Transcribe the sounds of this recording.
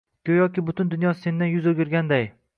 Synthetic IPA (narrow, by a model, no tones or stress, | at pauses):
kʰʲɵjɒkʲɪbʊt̪ʰʊnd̪ʊnjɒse̞nd̪anjʊzoɡʲɪɾɡʲand̪aj